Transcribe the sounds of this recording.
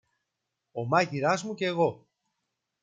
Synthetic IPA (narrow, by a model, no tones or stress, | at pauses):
o̞mɐciɾɐzmuce̞ːɣo̞